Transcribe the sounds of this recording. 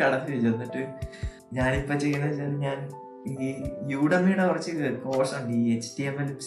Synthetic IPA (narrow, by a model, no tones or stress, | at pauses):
ɐɽɐt̪ːiʋet͡ɕːɐrnːiʈːɨ | ɲaːnipːot͡ɕːe̞jːɐnːɐðɨsaːɾɲaːn | iːjuːɽɐmijuɽekurɐt͡ɕːɨko̞ːsɐmɐɳɖiet͡ɕːʈiemel